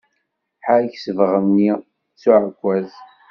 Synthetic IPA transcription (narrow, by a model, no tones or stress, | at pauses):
ħaçsəvʁəmni | t͡sːuʕəkʷːæz